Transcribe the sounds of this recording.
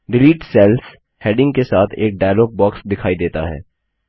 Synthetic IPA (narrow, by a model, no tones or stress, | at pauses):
ɖɪliːʈsɛːlf | hɛːɖɪ̃ŋɡkesaːt̪ʰeːk̚ɖaːloːp̚bɔːksd̪ɪkʰaːid̪eːt̪aɦɛ̰ː